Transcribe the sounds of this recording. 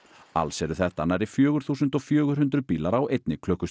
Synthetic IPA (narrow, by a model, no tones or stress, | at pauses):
a̰lsɛɾʏθɛht̪anaɾɪfjœːɣʏɾ̥θuːsʏnt̪ɔɣfjœːɣʏɾ̥hʏnt̪ɾʏpiːlaɾawejt̪nɪkʰlœhkʏs